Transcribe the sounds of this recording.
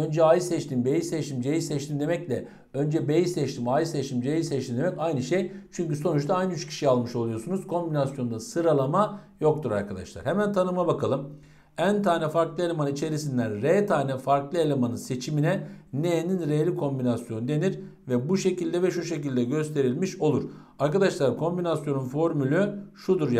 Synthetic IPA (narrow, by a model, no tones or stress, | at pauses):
ønd͡ʒɛajɯsɛt͡ʃt̪ʰimbejisɛt͡ʃt̪ʰimd͡ʒejisɛt͡ʃt̪imd̪e̞mɛclʲɛ | ø̞nd͡ʒɛbejisɛt͡ʃt̪ʰimaːjɯsɛt͡ʃt̪ʰimd͡ʒejisɛt͡ʃt̪imd̪e̞mɛcajnɯʃejt͡ʃʰyɲcyso̞nut͡ʃt̪ʰaajnɯyt͡ʃcʰi̥ʃialˠmɯʃo̞lˠujo̞sunuzkʰo̞mbinasjo̞nd̪asɯɾalˠamajo̞k̚t̪ʰuɾa̰ɾkʰad̪a̰ʃlˠa̰ɾ̥hemænt̪ʰanɯmabakʰalˠɯm | ænt̪ʰaːnɛfaɾklˠɯelʲemanit͡ʃʰe̞ɾisind̪ænɾet̪ʰaːnɛfaɾklˠɯelʲemanɯnse̞t͡ʃʰiminɛnejeninɾealʲikʰo̞mbinasjo̞nud̪e̞niɾ | vɛbuʃe̞cilʲd̪ɛvɛʃuʃe̞c̬ilʲd̪ɛɟø̞st̪ʰe̞ɾilʲmiʃo̞lˠuɾ̥ | aɾkad̪aʃlˠaɾkʰo̞mbinasjo̞nunfo̞ɾmylʲyʃud̪uɾ